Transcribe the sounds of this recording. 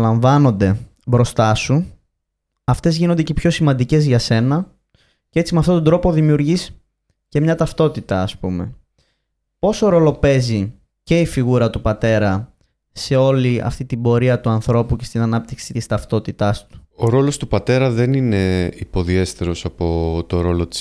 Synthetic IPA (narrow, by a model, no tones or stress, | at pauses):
lɐɱvɐno̞nd̪e̞ | bɾo̞st̪ɐsu | ɐft̪e̞zʝino̞nd̪ecepço̞simɐnd̪ice̞zʝɐse̞nɐ | cee̞t͡simeɐft̪o̞t̪od̪ɾo̞po̞ðimiuɾʝis | ce̞mɲɐt̪ɐft̪o̞t̪it̪ɐːspume̞̰ | po̞so̞ɾo̞lo̞pe̞zi | ce̞ifiɣuɾɐt̪upɐt̪e̞ɾɐ | se̞o̞liɐ̰ft̪it̪ibo̞ɾiɐt̪uɐnθɾo̞puce̞st̪inɐnɐp̚t̪iksit̪ist̪ɐft̪o̞t̪it̪ɐst̪u̥o̞ɾo̞lo̞st̪upɐt̪e̞ɾɐðe̞nine̞ipo̞ðie̞st̪eɾo̞sɐpo̞t̪o̞ɾo̞lot̪i̥s